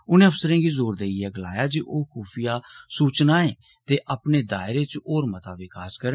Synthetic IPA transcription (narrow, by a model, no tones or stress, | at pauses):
ʊnẽːʊsəɾẽːɡiːzoːɾd̪eːjɛːɡəlaːjaːd͡ʒiʔoːkʰuːpʰɪjaːsuːt͡ʃnaːẽː | t̪eːʔəpneːd̪aːɪɾeːt͡ʃoːɾmət̪aːʋɪkaːskəɾə